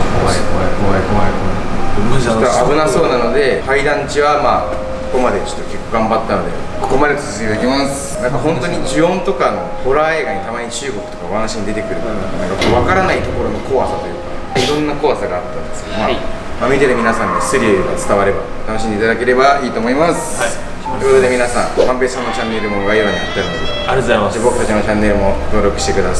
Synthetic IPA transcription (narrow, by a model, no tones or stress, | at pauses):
koakoakoaekoβako | ot̪ːoabɯnaso̞ːnano̞d̪e̞haid̪ãɲt͡ɕiβamaː | ko̞ko̞mad̪e̞t͡ɕo̞̥t̪ːo̥kʲe̞kːoɡãmbat̪ːano̞d̪ḛ | ko̞̥ko̞mad̪eɨ̥sɨket̪ekʲimas | nãŋkaɦõ̞nt̪oɲ̟id͡ʑiõ̞nt̪o̞kano̞̰ho̞ɾae̞ːɡaɲ̟it̪amaɲ̟it͡ɕɨːɡo̞kɯ̟t̪o̞kaβanaɕiɲid̪et̪e̞kɯ̟ɾɯ̟nãŋkakoβakaɾanait̪o̞ko̞ɾo̞no̞ko̞βasat̪o̞jɯ̟ːka | iɾõ̞nːako̞βasaɡaːt̪ːãnd̪esɨ̥ked̪omaː | mamʲit̪e̞ɾɯ̟mʲinasãɲʲiosɨɾʲiɡat͡sɨ̥t̪aβaɾe̞baot̪anoɕid̪eːt̪ad̪ake̞ɾe̞baiːt̪o̞ːmo̞imasɨ̥ | t̪oekot̪od̪e̞mʲinasã̰mãmpesãnːot͡ɕãnːe̞ɾɯ̟moɡaiβaɲ̟iat̪ːaɾɯnodeebokɯ̟t̪at͡ɕinot͡ɕãnːe̞ɾɯ̟mo̞t̪o̞ːɾo̞kɯ̟ɕi̥t̪ekɯ̟d̪as